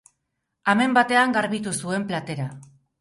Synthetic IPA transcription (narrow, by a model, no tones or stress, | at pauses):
ame̞mbat̪e̞aŋɡaɾβit̪usue̞mplat̪e̞ɾa